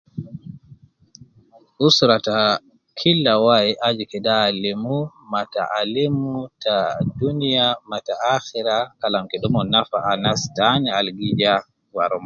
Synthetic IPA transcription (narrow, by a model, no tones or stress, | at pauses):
ʔusɾata | kʰilːawajiʔad͡ʒikɛdalemu | mata̰ʔalimutadunijamataaxiɾakalamkɛɗɔmɔnafaanastanɛalɡid͡ʒa | waɾɔma